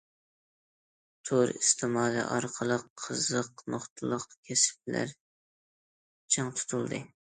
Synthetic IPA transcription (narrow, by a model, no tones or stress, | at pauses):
t̪ʰoɾist̪ʰɪmɑːlḭʔɑɾqʰəlˠəqʰːəzəqmoχt̪ʰɨlˠəqkʲʰɛsp̚læ̰ɾ | t͡ʃʰɨŋt̪ʰu̥t̪ʰulˠd̪ɨ